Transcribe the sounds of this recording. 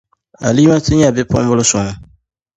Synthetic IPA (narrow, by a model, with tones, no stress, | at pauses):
a̰˨liː˦ma˦tɨ˦ɲa˦bɪ˦pʊ̰˦mbʊ˦lʊ˦sʊ˨ŋʊ˨